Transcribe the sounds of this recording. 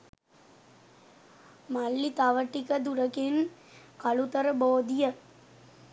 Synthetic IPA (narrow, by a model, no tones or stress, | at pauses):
mɐlːit̪ɐʋɐʈːikɐd̪uɾɐken | kɐɭut̪ɐɾɐboːd̪ijɐ